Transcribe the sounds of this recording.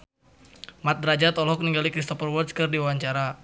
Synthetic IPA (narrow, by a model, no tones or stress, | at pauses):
mat̪̚dɾad͡ʒat̪ɔlɦɔk̚niŋɡalikɾist̪ɔpərwɔrt̪skɨrdiwawaɲt͡ʃaɾa